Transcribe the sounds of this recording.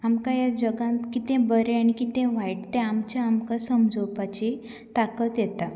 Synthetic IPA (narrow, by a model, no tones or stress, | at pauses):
amkãjad͡ʑəɡãkit̪ɛ̃bəɾeaɽ̃ikit̪ɛ̃ʋaiʈt̪ɛ̃amt͡ɕjaamkasəmd͡zopat͡ɕi | t̪akət̪jɛt̪a